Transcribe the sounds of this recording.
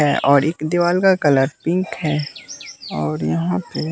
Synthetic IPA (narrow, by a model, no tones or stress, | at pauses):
ɛːʔɔːɾeːkd̪iʋaːlkakɐləɾpɪ̃ŋkɦɛː | ɔːɾjɐɦãpe